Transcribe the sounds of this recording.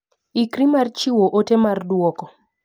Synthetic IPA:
ikɾimart͡ʃiwoʔotemardwɔkɔ

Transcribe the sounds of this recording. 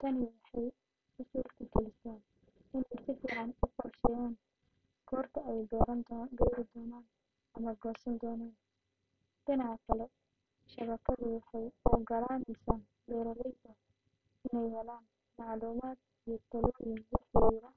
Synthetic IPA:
t̪ʰɐnɪwɑħɑj | ʊsɔːrt̪ʰɐɡɛlɪsaːn | ɪnɛjsɪfɪʕɑnʊqɔrʃɛjaːn | kʰɔːrt̪ʰɐɛjɡɔɾɐnɡɛjɾɪd̪ɔːnaːn | ɐmɐɡɔːsɐnd̪ɔːnaːn | d̥ɪnɑʕɑkʰɐlɛ | ʃɐβɐkʰɐðʊwɑħɑjɔːɡɐlaːnɛjsɐ | wɛːɾɐlɛjt̪ʰɐ | ɪnɛjhɛlaːn | mɑʕluːmaːd̪ | ijɞt̪ʰɐlɔːjɪŋwɑħɪjɪɾɐ

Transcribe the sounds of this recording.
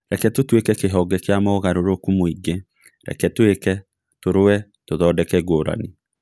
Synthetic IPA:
ɾɛkɛtotwekɛkeɦɔːɡɛkeamɔɣaɾoɾokumoiɡe | ɾɛ̰kɛtwekɛ | toɾowɛ | toðɔːdɛkɛɡoːɾa̰ni

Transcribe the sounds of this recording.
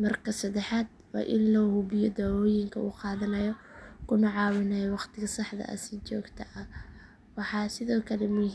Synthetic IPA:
mɐrkʰɐsɐd̪ɛħaːd̪̚wɑ̰ːʔɪnlɔhʊβɪjɔd̪aːwɔːjɪŋkʰɐuːqɑːðɐnɐjɔkʰʊnɐʕɑːwɪnɐjɔwɑqt̪ʰɪɣɐsɑħd̪ɐ̰ʔɐ̰sɪt͡ʃɔːɡt̪ʰɐʔɐ | wɑħɑːsɪðɔːkʰɐlɛmʊ

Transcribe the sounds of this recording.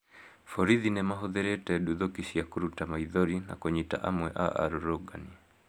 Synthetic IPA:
fɔɾiðinɛmaɦɔðɛɾɛtɛɗuðɔkisiakuɾutamaiðɔɾina̰kɔɲita̰ʔa̰mwɛʔa̰ʔa̰ɾuɾɔɡa̰ni

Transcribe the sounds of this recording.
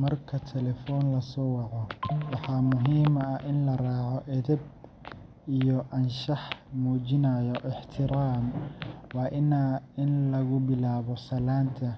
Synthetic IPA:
mɐrkʰɐt̪ʰɛlɛfɔːnlɐsɔːwɑqɔwɑħɑːmʊɦiːmɐʔɪnlɐraːʕɔʔɛðɐb̚ | ijɔʔɐnʃɑħmuːt͡ʃɪnɐjɔʔɪħt̪ʰɪɾaːmwɑːʔɪnaɪnlɐɣʊbɪlaːβɔsɐlaːnt̪ʰɐ

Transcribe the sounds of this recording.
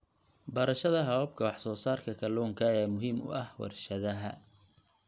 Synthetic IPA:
bɐɾɐʃɐðɐɦɐwɐb̚kʰɐwɑħsɔːsaːrkʰɐkʰɐlɔːŋkʰɐɛːmʊɦiːmʊ̰ʔɐhwɐ̰rʃɐðɐɦɐ

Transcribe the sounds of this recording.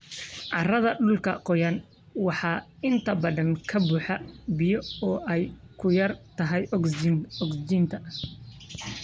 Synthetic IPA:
ʕɑrɐðɐɖʊlkʰɐqɔjɐn | wɑħɑːɪnt̪ʰɐbɐðɐŋkʰɐbuːħɑbɪjɔɔːʔɛjkʰʊjɐrt̪ʰɐɦɛj | ɔɡsd͡ʒint̪ʰɐ

